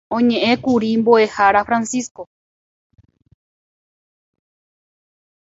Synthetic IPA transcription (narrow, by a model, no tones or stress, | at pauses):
õɲẽʔẽkuɾimboe̞haɾafɾansisko